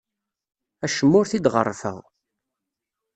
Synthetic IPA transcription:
æʃəmːʊɾθid̪ʁə̰rˤːfə̰ʁ

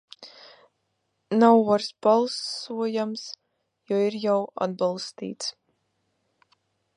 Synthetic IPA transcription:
nawaɾsbalˠsuɔjams | jɔiɾjawa̰d̪̚balˠst̪ḭːt̪s

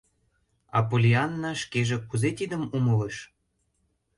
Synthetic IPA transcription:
ɑ̰polʲiɑnːɑʃkeʒĕkuzet̪id̪ə̆mumɤləʃ

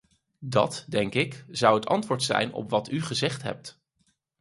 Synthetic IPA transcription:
dɑ̰tdɛŋkɪkz̥ʌwɦətɑ̰ntʋʊːɹtsɛ̰jnɔ̰pʋɑtyχəzɛχtɦɛ̰p̚t

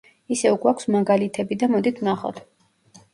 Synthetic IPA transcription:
isɛvɡwakʷʰsmaɡalit̪ʰɛbid̪amɔd̪it̪ʰnaχɔ̰t̪ʰ

